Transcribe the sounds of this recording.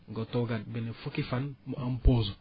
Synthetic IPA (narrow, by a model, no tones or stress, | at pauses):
ŋɡɔtoɡad̚benefukifanmampozu